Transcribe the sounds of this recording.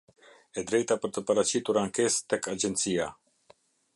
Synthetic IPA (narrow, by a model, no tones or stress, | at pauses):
ɛd̪ɾɛjt̪apəɾt̪əpaɾat͡ɕit̪uɾaŋkɛst̪ɛkad͡ʑɛnt̪sia